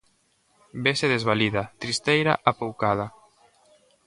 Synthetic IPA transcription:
beseðezβaliðat̪ɾist̪ejɾa̰ʔapowkaða

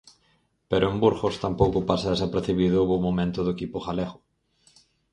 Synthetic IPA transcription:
peɾoembuɾxost̪ampowkʊpasaesapeɾθiβiðʊβomomẽnt̪ʊðʊekipʊxaleɣʊ

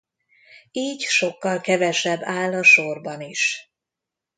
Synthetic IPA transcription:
iːcʃo̞kːɒlkɛvɛʃɛbːaːlːɒʃo̞rbɒniʃ

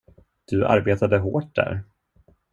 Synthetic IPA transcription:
d̪̥ɵʔa̰ɾbeːt̪ad̪əɦoːʈ̚d̪æ̰ɾ

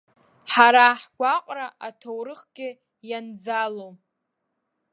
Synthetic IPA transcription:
ħaɾaħɡʷaqʼraʔatʰowɾɨχɡʲɪ | jand͡zalo

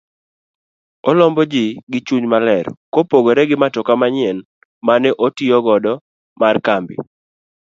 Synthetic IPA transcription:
ɔlɔmbɔd͡ʒɪɡɪt͡ʃuɲmalɛɾkopoɡoɾɛɡɪmatɔkamaɲɪɛn | manɛʔotiɔɡɔdɔ | markambɪ̰

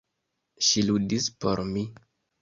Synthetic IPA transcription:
ʃiludispo̞̰ɾmi

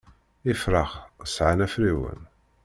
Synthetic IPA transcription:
ifɾəʁsʕanæfɾiwə̰n

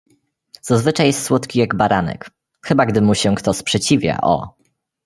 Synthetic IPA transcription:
z̥azvɘt͡ʂajɛst̪swɔt̪kʲijaɡbaɾanɛ̰k | xɘbaɡd̪ɘmuɕɛkt̪ɔspʂɛt͡ɕivʲja̰ʔɔ̰

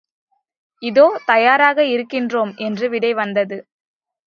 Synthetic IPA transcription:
ɪðoːt̪ɐjaːɾaːɣɐɪɾɯkːɪndroːmʔɛndrɯʋɪɽɐɪʋɐnd̪ɐðɯ

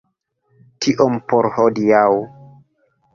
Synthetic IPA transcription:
tʰiʔompoɾhodiaw

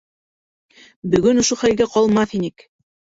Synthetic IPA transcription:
bɵ̆ɡɵnŏʃoχælɡæqɑlˠmɑθinɘk

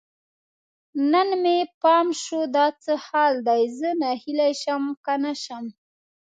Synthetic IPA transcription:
nənmepɑmʃod̪ɑt͡səhɑld̪ajzənahilajʃamkanaʃam

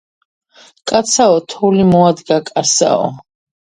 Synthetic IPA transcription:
kʼat̪sʰaɔt̪ʰɔlimɔad̪ɡakʼasa̰ɔ̰

